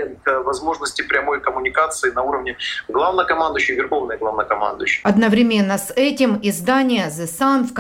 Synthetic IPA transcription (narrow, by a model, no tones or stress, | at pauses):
ɪnkvɐzmo̞ʐnəsʲtʲɪpɾʲɐmo̞jkəmʊnʲɪkat̪sɨɪnɐuɾəvnʲɪɡlˠavnəkɐmand̪ʊjɕːɪvʲɪrxo̞vnəjəɡlˠavnəjəkɐma̰nd̪ʊ̰jʉɕːɪjɐd̪nəvɾʲɪmʲe̞nːəsɛtʲɪmɪzd̪anʲɪjəzɨsanfk